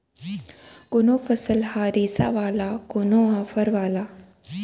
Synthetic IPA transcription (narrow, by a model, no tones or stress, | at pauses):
kʊnoːfɐsəlhaːɾiːsa̰ʋaːlaːkʊnoːɦɐfɐɾʋaːlaː